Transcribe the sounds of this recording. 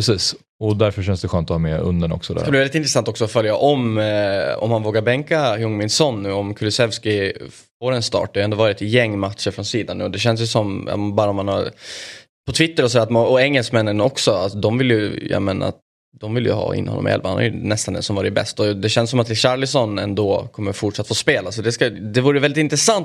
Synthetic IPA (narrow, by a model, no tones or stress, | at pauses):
pɾɛsiːs | ɔd̪æɾfœɾʂɛnsd̪ɛɧœːnt̪ɔhɑːmɛɵ̰nd̪əɳɔ̰ksɔd̪̰kːab̪ivɛlɪt̪ɪnt̪ɾɛsant̪ɔksɔɔfœljaʔɔm | ɔ̰mhanvoːɡaɾbɛŋkahɵŋːmɪnsɔnːʉ̟ːɔmkʰʊlɪsɛvskɪ | foːɾɛnst̪ɑ̰ːʈd̪ɛhajɛnd̪oːvɑːɾɪt̪jɛŋːmat̪ʂəɾfɾɔnsiːd̪anːʉ̟ːɔd̪ɛɕɛnsjɵsɔm̰bɑːɾaɔmhanhaɾ | pʰɔt̪ʰvɪt̪ːəɾɔsɔd̪æːɾat̪mɔɛŋːɛlskmɛnːənɔksɔat̪d̪ɔmvɪljɵjɑ̰meːna̰a̰t̪ | d̪ɔmvɪljɵ̰ɦɑ̰ːɪ̰nːəhɔ̰ːɔ̰mɪ̰ɛ̰lva̰hana̰jʏnɛst̪and̪ɛ̰nsɔmvɑːɾɪbɛ̰st̪ɔd̪ɛɕɛnsɔmat̪ːɪɕaɾlɪsɔnɛ̰nd̪oːkʰɔmːəɾfʊʈʂat̪ːfoːspeːlasɔd̪ɛskad̪ɛvuːɾəjvɛlɪt̪ɪnt̪ɾɛsant̪